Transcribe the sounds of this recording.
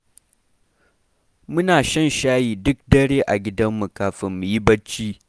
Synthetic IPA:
mʊ˦naː˨ʃɐ˦˨nʃaː˦jiː˨dʊ˦k̚dɐ˦ɽeː˦ʔa˨ɡʲɪ˦dɐ˦mːu˨kaː˨ɸɪ˨mːu˨ji˦bɐ˦t͡ʃːiː˦

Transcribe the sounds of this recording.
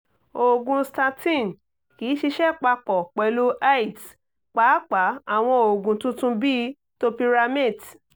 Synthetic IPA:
o˨ɡũ˧sta˧tĩ˦˨n˨ | kiː˨˦ʃi˧ʃɛ˦k͡pa˧k͡pɔ˨k͡pɛ˨lu˦ʔa˦i˨t | k͡pa˨˦k͡pa˨˦a˨w̃ɔ̃˧o˨ɡũ˨tũ˦tũ˦bi˦ | to˦pi˧ɾa˧me˦˨d

